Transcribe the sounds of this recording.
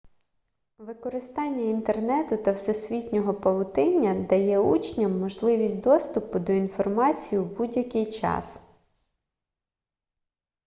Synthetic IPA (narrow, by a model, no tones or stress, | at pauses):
ʋɪkɔɾɪst̪ɑnʲːɐint̪ernɛt̪ʊt̪ɐwsɛsʲʋʲitʲnʲɔɦɔpɐʋˠʊt̪ɪnʲːɐd̪ɐjɛut͡ʃnʲɐmːɔʒlˠɪʋʲisʲtʲd̪ɔst̪ʊpʊd̪ɔinfɔrmɑt͡sʲijiwbudʲjɐkɪjt͡ʃɑ̰s